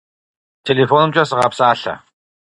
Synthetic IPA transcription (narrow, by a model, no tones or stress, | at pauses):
t̪ʰelefɔnə̆mt͡ɕaːsəʁapsaːɬa̰